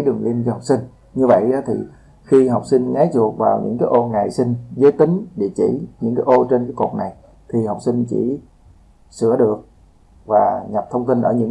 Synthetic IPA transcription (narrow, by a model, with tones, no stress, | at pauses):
jɗɨ˨˩əŋvi˧ənt͡ɕɔ˧ha˨˩wk͡p̚sï˧ŋ | ɲɨ˧və̰˧˨jɗɔ˨˦t̪ʰi˨˩ | xi˧ɦa˨˩wk͡p̚sï˧ŋŋa˨˦jt͡ɕu˨˩ək̚vaː˨˩wɲɨ̰˧˥ŋkaː˨˦jʔo˧ŋa˨˩jsi˧ŋzəː˨˦jt̪ï˨˦ŋ̟ɗḛ˧˩˦t͡ɕḭ˧˩ɲɨ̰˧˥ŋkaː˨˦jʔo˧t͡ɕe˧nkaː˨˦jko̰˨˩t̚na˨˩j | t̪ʰi˨˩ha˨˩wk͡p̚si˧ŋt͡ɕḭ˧˩ | sɨ̰˧˩əɗɨ˨˩ək̚ | vaː˨˩ɲa˨˩p̚t̪ʰə˧wŋ͡mt̪i˧nʔəː˧˩ɲɨ̰˧˥